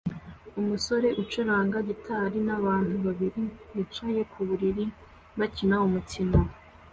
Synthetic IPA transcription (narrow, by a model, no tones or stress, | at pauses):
umuso̞ɾe̞ʔut͡ʃuɾaːŋɡaɟitʰaɾinaβaːnhuβaβiɾiɡit͡ʃaje̞kʰuβuɾiɾi | bacinaumutino